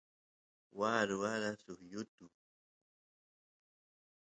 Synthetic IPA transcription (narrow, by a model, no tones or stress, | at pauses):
waɾʊaɾasʊhjʊt̪ʊ